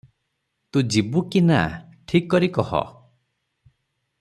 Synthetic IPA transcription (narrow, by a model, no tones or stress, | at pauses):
t̪ud͡ʒibukina̰ʈʰikːɔɾikɔhɔ̰